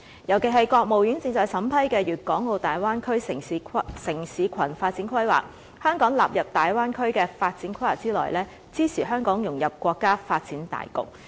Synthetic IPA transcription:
jɐ˨˩wke˨˩ɦɐ˨jkɔː˧k̚mo˨wjy˨˥nt͡sɪ˧ŋt͡sɔː˨jsɐ˨˥mpʰɐ˥jkɛː˧jyː˨˩t̚kɔː˨˥ŋːo˧wt̪aː˨jwaː˥nkʰɵ˥ɥsɪ˨˩ŋsɪ˨˩ŋsiː˨˧kʰɐ˨˩nfaː˧t̚t͡siː˨˥nkʰɐ˥jwa̰ː˨˩k̚ | hœː˥ŋkɔː˨˥ŋlaː˨p̚jɐ˨p̚t̪aː˨jwaː˥nkʰɵ˥ɥkɛː˧faː˧t̚t͡siː˨˥nkʰɐ˥jwaː˨˩k̚t͡siː˥lɔ̰ː˨˩jlɛː˥ | t͡siː˥sʰiː˨˩ɦœː˥ŋkɔː˨˥ŋjʊ˨˩ŋjɐ˨p̚kʷɔː˧kːaː˥faː˧t̚t͡siː˨˥nt̪a̰ː˨jkʊ̰˨k̚

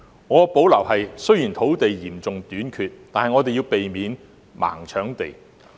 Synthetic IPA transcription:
ŋɔː˨˧po˨˥wlɐ˨˩whɐ˨jsjiː˨˩nt̪ʰo˨˥wt̪e˨jjiː˨˩mt͡sʊ˨ŋt̪yː˨˥nkʰyː˨˧t̚t̪aː˨nhɐ˨jŋɔː˨˧t̪e˨ji˧wpe˨jmiː˨˧n | ma̰ː˨˩ŋt͡ʃʰœː˨˥ŋt̪e˨j

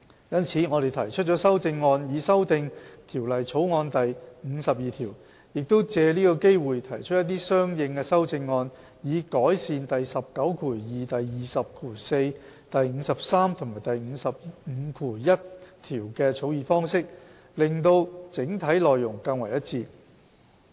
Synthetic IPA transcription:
jɐ˥nt͡sʰiː˨˥ŋɔ˨˧d̪e˨jt̪ʰɐ˨˩jt͡ʃʰɵ˥t̚t͡ʃɔː˨˥sɐ˥wt͡sɪ˧ŋːɔː˧njiː˨˧sɐ˥wt̪ɪ˧ŋt̪ʰiː˨˩wlɐ˨jt͡sʰo˨˥wŋɔː˧nt̪ɐ˨jŋ̩ː˨˧˥sɐ˨p̚jiː˨˩t̪ʰiː˨˩w | jɪ˨k̚t̪o˥wt͡sɛː˧liː˥kɔː˧ke˥jwuː˨jt̪ʰɐ˨˩jt͡ʃʰt̚jɐ˥t̪̬̚ːiː˥sœː˥ŋjɪ˧ŋkɛː˧sɐ˥wt͡sɪ˧ŋːɔː˧n | jiː˨˧kɔː˨˥jsiː˨nt̪ɐ˨jsɐ˨p̚kɐ˨˧˥wkʰuː˨˩jiː˨˩t̪ɐ˨jjiː˨˩sɐ˨p̚kʰuː˨˩se˧j | t̪ɐ˨jŋ̩ː˨˧sɐ˨p̚saː˥mt̪ʰʊ˨˩maː˨˩jt̪ɐ˨jŋ̩˨˧sɐ˨p̚ŋ̩˨˧kʰuː˨˩jɐ˥t̚t̪ʰiː˨˩wkɛː˧t͡sʰo˨˧˥wjiː˨˧fɔː˥ŋsɪ˥k̚ | lɪ˨ŋt̪o˧wt͡sɪ˨˥ŋt̪ʰɐ˨˥jlɔː˨jːʊ˨˩ŋkɐ˧nwɐ˨˩jɐ˥t̚t͡siː˧

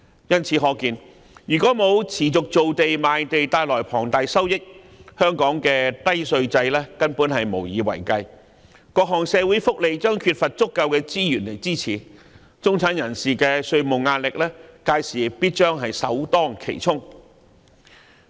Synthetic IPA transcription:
jɐ˥nt͡sʰiː˨˧˥ɦɔː˧kiː˨˧n | jyː˨˩kɔː˨˥mo˨˧wt͡sʰiː˨˩t͡sʊ˨k̚t͡so˨wt̪e˨jmaː˨˧jt̪e˨jt̪aː˧jlɔː˨˩jpʰɔː˨˩ŋt̪aː˨˧jsɐ˥wjɪ˥k̚ | hœː˥ŋkɔː˨˥ŋkɛː˧t̪ɐ˥jsɵ˧ɥt͡sɐ˧jlɛː˥kɐ˥npuː˨˥nhɐ˨jmo˨˩wjiː˨˧wɐ̰˨˩jkɐ˧j | kɔː˧k̚ɦɔː˨˩ŋsɛː˨˧wu˨˥jfʊ˥k̚le˨jt͡ʃœː˥ŋkʰyː˧t̚fɐ˨t̚t͡sʊ˥kːɐ˧wkɛː˧t͡siː˥jyː˨˩nle˨jt͡siː˥t͡sʰiː˨˩ | t͡sʊ˥ŋt͡sʰaː˨˥njɐ˨˩nsiː˨kɛː˧sɵ˧ɥmʊ˨˩wŋaː˧n̚lɪ˨k̚lɛː˥kaː˧jsiː˨˩piː˥t̚t͡ʃœː˥ŋɦɐ˨jsɐ̰˨˥wt̪ɔː˥ŋkʰe˨˩jt͡sʰʊ˥ŋ

